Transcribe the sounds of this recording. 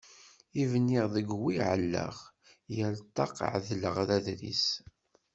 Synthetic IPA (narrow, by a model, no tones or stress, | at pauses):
ivnːiʁðəɡwiʕəlːə̰ʁ | jælt̪ˤːɑqʕðləʁðæðɾḭs